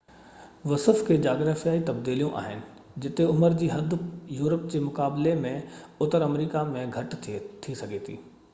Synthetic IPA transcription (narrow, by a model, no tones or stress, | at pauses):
ʋɐsəfkʰeːd͡ʑaːɡɾaːfijaːit̪ɐb̚d̪iːlijõʔa̰ːɦɪnɪ̆ | d͡ʑɪt̪eʊməɾd͡ʑiːɦɐd̪ʱjuːɾəp̚d͡ʑeːmʊkaːblemẽʊt̪əɾɐmɾiːkamẽɡʱɐʈt̪ʰisɐɡʱet̪ʰḭː